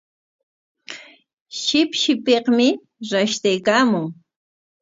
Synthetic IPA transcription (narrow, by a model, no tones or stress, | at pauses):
ʃɪpʃɪpeχmɪ | ɾaʃt̪ajkaːmʊŋ